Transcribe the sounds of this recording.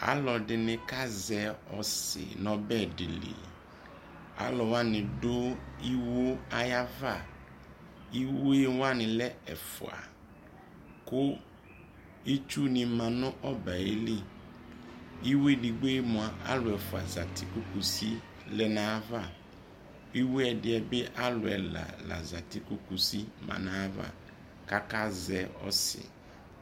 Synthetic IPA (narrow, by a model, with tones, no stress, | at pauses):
a̰˦lɔ˨ɖɪ˨nɪ̃˨ka˦zɛ˨ɔ˨sɪ̰˨nɔ̃˨bɛ˦˨ɖɪ̰˨lḭ˨ | a̰˦lɔ˨wa˦nɪ̃˨ɖo˦i˦wo˦a˦ja˦va˦˨ | i˦we˦wa˦nɪ̃˨lɛ˦ɛ̰˨fʊ̰˨a̰˨ | kʊ˦ | i˦t͡ʃu˦nɪ̃˨mã˨nʊ̃˦ʔɔ˦ba˨e˦li˦ | i˦we˦di˨ɡ͡be˦mʊ̃˨a˨ʔa̰˦lʊ˨ɛ˨fʊ˨a̰˨za˨tɪ˦˨kʊ˦ku˨si˦ | lɛ˨nã˦va˦˨ | i˦wu˦ɛ˨dɪ˨˦ɛ˨bɛ˦ʔa˦lʊ˨ɛ˨la̰˨la̰˨za˨tɪ˦kʊ˦ku˨si˦mã̰˨nã˦va̰˦˨ | ka˦ka˦zɛ˨ɔ̰˦sɪ̰˨